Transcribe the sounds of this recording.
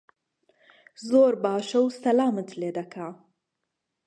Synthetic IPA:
zoːɾbaːʃɐwsɐlaːmɨt̪leːd̪ɐkʰa

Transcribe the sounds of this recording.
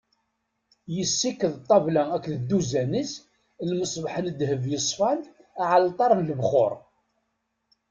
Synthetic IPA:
jəsːikːəðt̪ˤːɑvlæækːðəd̪ːuzænəs | lməsˤbħənd̪həvjəsˤfɑn | aʕalt̪ˤɑɾˤnləbχo̰ɾˤ

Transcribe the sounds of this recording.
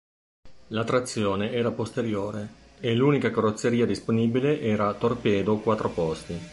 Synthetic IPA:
lat̪ːɾat̪sːjoːneɛːɾapost̪eɾjoːɾe | eluːnikakoɾot̪sːeɾiːad̪isponiːbileʔɛːɾat̪orpɛːd̪okwat̪ːɾopɔst̪i

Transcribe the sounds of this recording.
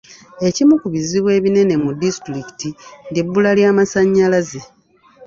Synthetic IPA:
e̞cimukuβiziβwe̞ːβine̞ne̞mudistɾiki̥tindibːulaljaːmasaɲːalaze

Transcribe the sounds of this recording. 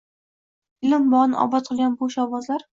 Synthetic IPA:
ɪlɪmbɒʁnʔɒ̰bɒt̪̚qʰɨlˠɡʲanboʃɒvɒzlaɾ

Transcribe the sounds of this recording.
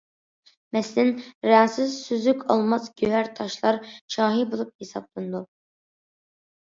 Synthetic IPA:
mɛslɪnɾɑːsɨzsyzykʲʰɑlˠmɑzɡʲøɦæɾt̪ʰɑʃlˠɑɾʃɑːɦibolˠup̚hesɑb̚lˠɨnɨd̪u

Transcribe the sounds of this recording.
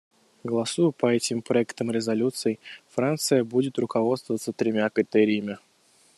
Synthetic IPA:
ɡəlˠɐsujʊpəɛtʲɪmpɾɐɛkt̪əmɾʲɪzɐlʲut̪sɨɪfɾant̪sɨjəbudʲɪt̪rʊkɐvo̞t̪st̪vəvət̪sət̪ɾʲɪmʲakɾʲɪt̪ɛɾʲɪjəmʲɪ

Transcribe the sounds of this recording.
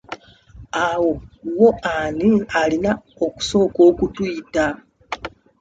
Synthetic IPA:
awo̞wo̞anialina | oku̥so̞ːko̞ːkutwuːta

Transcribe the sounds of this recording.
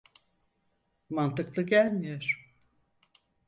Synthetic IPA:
mant̪ɯklˠɯɟælʲmijoɾ̥

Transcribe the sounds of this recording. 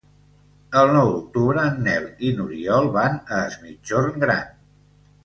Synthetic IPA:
əlˠnɔwd̪uk̚t̪uβɾəːnːɛlinuɾiɔlˠβanəːzmid͡ʒoɾŋɡɾa̰n

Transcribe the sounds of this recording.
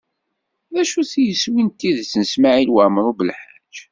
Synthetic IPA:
ðæʃuθijəswint̪ːiðt͡sːnəsmaʕilwəmɾˤubəlħad͡ʒ

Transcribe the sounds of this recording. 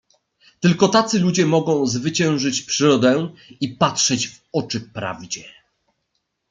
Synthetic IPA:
t̪ɘlkɔt̪at̪sɘlud͡ʑɛmɔɡɔ̃w̃zvɘt͡ɕɛ̃w̃ʐɘt͡ɕpʂɘɾɔd̪ɛipatʂɛd͡ʑv | ɔt͡ʂɘpɾa̰vd͡ʑɛ

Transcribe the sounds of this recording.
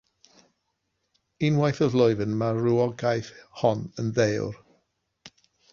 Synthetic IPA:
inwajθəvlˠɔɨvənmaruɔɡajθhɔnənðewr

